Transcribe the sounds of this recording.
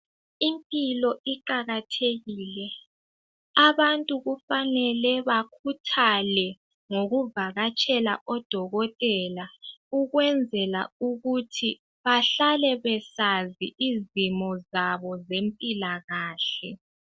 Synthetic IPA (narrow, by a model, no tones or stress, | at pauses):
impʼilɔʔiǃaɣatʰeɣiːlɛ | aβantʼuɣufanɛlɛβakʰutʰalɛ | ŋoɣuvaɣat͡ʃʼʰɛla̰ʔɔd̥ʱɔɣɔtʼɛlauɣwɛnd͡zʱɛla̰uɣutʰi | βaɬalɛβɛsaziʔizimɔzaβɔzempʼilaɣaːɬɛ